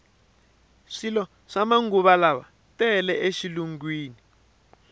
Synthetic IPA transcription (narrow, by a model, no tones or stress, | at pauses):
ʂilɔ | ʂamaŋɡuβalaβa̰ | tɛlɛʔeʃiluŋɡwiːni